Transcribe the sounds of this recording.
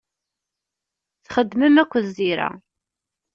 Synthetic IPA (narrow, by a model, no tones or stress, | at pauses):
t͡sχəd̪ːməmækʷːəðiɾæ̰